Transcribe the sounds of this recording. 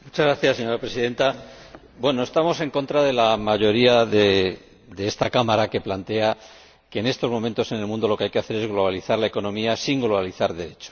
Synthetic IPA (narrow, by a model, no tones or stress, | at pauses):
mut͡ʃazɣɾaθjasːe̞ɲo̞ɾapɾe̞siðe̞nt̪a | bwe̞no̞e̞st̪amo̞se̞ŋko̞nt̪ɾaðe̞lamaʝo̞ɾiaðe | d̪eest̪akamaɾake̞plant̪e̞a | ke̞ːne̞st̪o̞zmo̞mẽnt̪o̞se̞ne̞lmũnd̪o̞lo̞keajkeaθe̞ɾe̞zɣlo̞βaliθaɾlae̞ko̞nõ̞miasiŋɡlo̞βaliθaɾðe̞ɾe̞t͡ʃo̥